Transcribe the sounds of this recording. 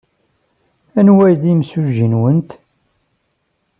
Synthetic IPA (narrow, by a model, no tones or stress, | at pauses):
ænwæjðimsuʒːənwənt̪